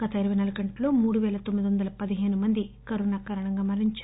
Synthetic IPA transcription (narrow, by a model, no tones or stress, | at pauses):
ɡɐt̪ɐiɾɐʋɐjnɐlɐkɐɳʈlo̞ːmuːɽuʋɛːlɐt̪omːid̪iʋɐnd̪ɐlɐpɐd̪iɦe̞ːnumɐnd̪ikɐɾunaːkaːɾɐɳɐŋɡaːmɐɾiɲt͡ʃ